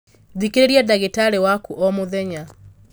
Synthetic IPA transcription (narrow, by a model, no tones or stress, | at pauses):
ðikeɾeɾjadaɣetaɾewakuʔɔmoðɛɲa